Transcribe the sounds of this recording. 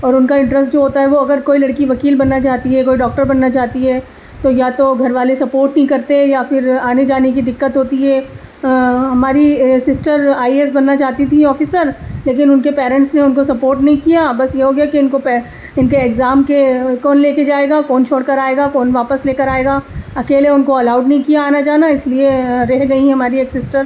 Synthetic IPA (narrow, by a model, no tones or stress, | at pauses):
ɔːɾʊnkaɪ̃ɳʈɾəsʈd͡ʒoːɦoːt̪aɦɛʋoɐɡəɾkoːilɐɽkiʋɐkiːlbɐnːat͡ʃaːt̪iɦɛkoːiɖɔːk̚ʈəɾbɐnːat͡ʃaːɦt̪iɦɛː | t̪ojat̪oɡʱɐɾʋaːlesɐpoːɾʈnɦĩkɐɾt̪eɛ̃jafɪɾaːned͡ʒaːnekid̪ɪkːət̪ɦoːt̪iɦɛ | ɦɐmaːɾisɪsʈəɾaːies̬bɐnːat͡ʃaːɦt̪it̪ʰiɔːfɪsəɾleːk̬ɪnʊnkepɛːɾɛ̃ɳʈsneʊnkosɐpoːɾʈnɐɦĩkijabɐsjeɦoːɡɛjakiɪnkopɛ | ɪnkeːɡzaːmkekɔːnleːked͡ʒaːeːɡakɔːnt͡ʃʰoːɽkɐɾaːeːɡakɔːnʋaːpəsleːkəɾaːeːɡaːɐkeːleʊnkoɐlaːʊɖnɐɦĩkijaːnad͡ʒaːnaɪslieɾɛɦɡɐiɦɛ̃ɦɐmaːɾieːksɪsʈəɾ